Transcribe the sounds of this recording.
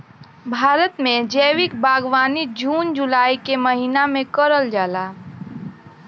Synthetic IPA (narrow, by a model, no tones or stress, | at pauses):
bʱaːɾət̪mẽd͡ʒəːwɪkbaːɡwaːnid͡ʒuːnd͡ʒʊlaːikeməɦiːnamẽkəɾəld͡ʒaːlaː